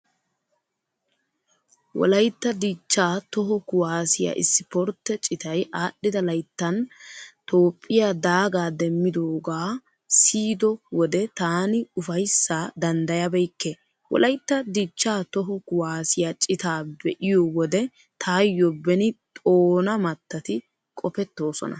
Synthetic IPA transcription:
wɔ̰lɐjt̪ːɐd̪iːt͡ʃːaːt̪ɔɦɔkʊwaːsɪja̰ʔɪ̰sːɪpɔɾt̪ːɛt͡ʃʼɪt̪ɐjʔaːɗːɪd̪ɐlɐjt̪ːɐnt̪o̞ːpʼːɪjad̪aːɡaːd̪ɛmːɪd̪oːɡaː | siːd̪ɔwɔd̪ɛt̪aːnɪʊfɐjsːaːd̪ɐnd̪ɐjɐbɛjkːɛ | wɔ̰lɐjt̪ːɐd̪iːt͡ʃːaːt̪ɔɦɔkʊwaːsɪjat͡ʃʼɪt̪aːbɛʔɪjɔwɔd̪ɛ | t̪ʰaːjːɔbɛnɪt̪ʼoːnɐmɐt̪ːɐt̪ɪ | kʼɔpɛt̪ːo̞ːsɔ̰nɐ̰

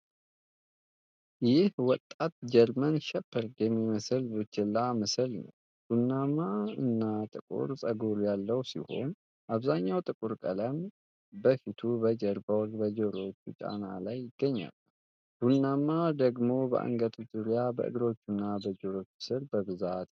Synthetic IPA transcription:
jɪhwɔt̪ʼːat̪̚d͡ʒɛɾmənʃɛpːɨɾd̪jɛmːiməsɨlbɨt͡ʃːɪlːaməsɨlnə̰w | b̥unːamːaɨnːat̪ʼɨkʼṵɾsʼəɡuɾjalːəwsḭho̞̰n | ʔaβzaɲːawt̪ʼɨkʼuɾkʼə̰ləm | bəfit̪ʰubəd͡ʒəɾbəwɾbəd͡ʒəɾo̞t͡ʃːut͡ʃʼa̰nalajɪɡ̥ːəɲːa̰lː | ɡ̥unːamːad̪əɡmo̞bə̰ʔa̰ŋɡət̪ʰzuɾjabə̰ʔɨ̰ɡɾo̞t͡ʃːunːabəd͡ʒəɾo̞t͡ʃːsɨɾbəβɨzat̪

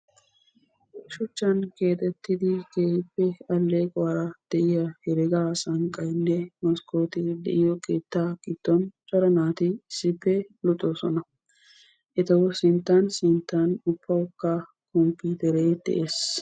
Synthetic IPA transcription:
ʃʊt͡ʃːɐnke̞ːt̪ɛt̪ːɪd̪ɪkeːpːɛɐlːeːkʼɔwɐɾɐd̪̥ɛʔɪjɐhɛɾɛɡaːsɐŋkʼːɐjnːɛmɐskoːt̪ɪd̪ɛ̰ʔɪjɔkʼeːt̪ːaːkɪt̪ːɔnt͡ʃʼɔɾɐnaːt̪ɪɪsːɪpːɛlʊt̪ʼːɔsɔnɐ | ʔɛt̪ɐwɔsɪnt̪ːansɪnt̪ːanʊpːɐʊkːa | kɔmpːiːt̪ɛɾeːd̪̥ɛ̰ʔeːs

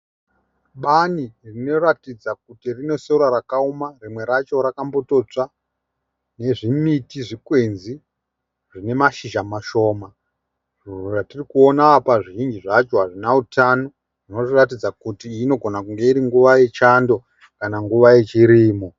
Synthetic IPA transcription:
ɓanirino̞ratid͡zakutirino̞se̞uɾaɾakaumarimwe̞ɾat͡ʃo̞ɾakamboto̞t͡ʂa | ne̞ʐimitiʐikwe̞nzi | ʐine̞maʃiʒamaʃo̞ːma | ʐuruʐatirikuonaːpaʐiʒind͡ʒiʐat͡ʃo̞ɦaʐinautano | ʐino̞ʐiratid͡zakutiːno̞ɡʱo̞nakuŋɡe̞iɾiŋɡuʋaje̞t͡ʃando̞ | kanaŋɡuʋaje̞t͡ʃiɾiːmo

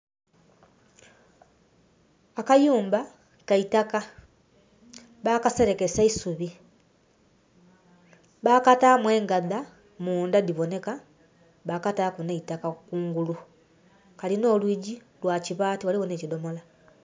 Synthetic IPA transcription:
akajuːmba | kaitaka | βakase̞ɾe̞ke̞saisuβi | βaːkataːmwe̞ːŋɡaða | muːndadiβo̞ne̞ka | βakataːkuneitakakuːŋɡulu | kalino̞ːlwiːɟi | lwaːciβaːtiwaliβone̞ːcido̞mo̞la

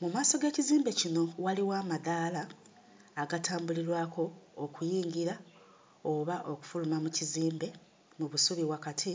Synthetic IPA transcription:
mumaːso̞ɡe̞ːciziːmbe̞cino̞waliwaːmaðaːlaː | ɡataːmbuliɾwaːkʰo̞ːkujiːɲɟiɾa | o̞βaʔo̞ku̥fulumamuciziːmbe̞ | muβusuβiβwakatʰi

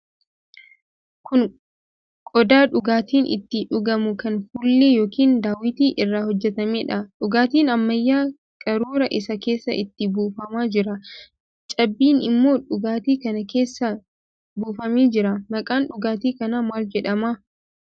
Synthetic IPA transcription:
kʊn | kʼɔd̪aːᶑʊɡaːt̪iːnʔɪ̰t̪ːɪᶑʊɡɐmʊkɐnfuːlːeːjoːkiːnd̪aːwɪt̪iːʔɪrːaːhɔd͡ʒːɛt̪ɐmeːᶑɐᶑʊɡaːt̪iːnɐmːɐjːaː | kʼɐɾuːɾɐʔɪsɐke̞ːsːɐ̰ʔɪt̪ːɪbuːfɐmaːd͡ʒɪɾɐ | t͡ʃʼɐbːiːnɪmːo̞ːᶑʊɡaːt̪iːkɐnɐke̞ːsːɐ | buːfɐmeːd͡ʒɪɾɐmɐkʼaːnᶑʊɡaːt̪iːkɐnamaːld͡ʒɛᶑɐma

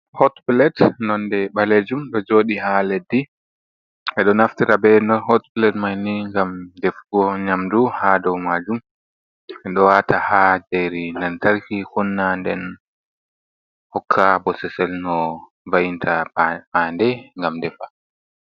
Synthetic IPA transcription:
hɔtbilɛtnɔndɛɓaled͡ʒumɗɔd͡ʒoːɗihaledːi | ʔɛɗɔnaftiɾabɛnɔnhɔtbilɛtmajniŋɡamdɛfɡɔɲamduhadɔwmad͡ʒum | ɛɗɔwatahad͡ʒejɾindɛntaɾkikunːandɛn | hɔkʰːabɔsɛsɛlnɔ | vajintʰabandɛŋɡamdɛfa

